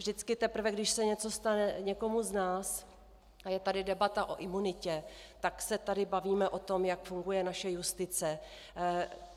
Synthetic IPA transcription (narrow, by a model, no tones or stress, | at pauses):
vʒdɪt͡skɪt̪ɛpr̩vɛɡdɪʃsɛɲɛt͡so̞st̪anɛɲɛko̞muznaːs | ajɛt̪adɪdɛbat̪aʔo̞̰ʔɪmunɪcɛ | t̪aksɛt̪adɪbaviːmɛʔo̞t̪o̞mjakfuŋɡujɛnaʃɛjust̪ɪt͡sɛ